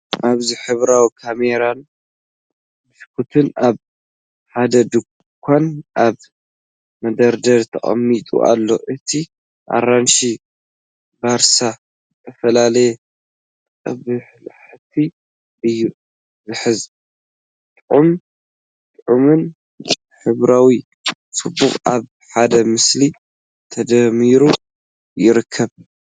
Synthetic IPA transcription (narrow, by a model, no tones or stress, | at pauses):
ʔaβziħɨβɾawikʰameɾan | mɨskʰut̪ʰɨnaβ | ħad̪ɐd̪ɨ | kʷʰːanʔaβ | mɐd̪ɐɾd̪ɐɾt̪ʰɐ̰χʼɐ̰mːit̪ʼṵʔa̰lːo̞̰ʔɨt̪ʰi | ʔa̰ɾanʃi | baɾsa | t̪ʰɐfɐlalɐjɛ | kʼɐβɨħlħt̪ʰi | ʔɨjːu | zɨħɨz | t̪ʼʕum | t̪ʼʕumɨn | tʼ | ħɨβɾawi | sɨbːuχʼaβ | ħad̪ɐmɨsli | t̪ʰɐd̪ɐmiɾu | jɪɾɨkʰːɐβ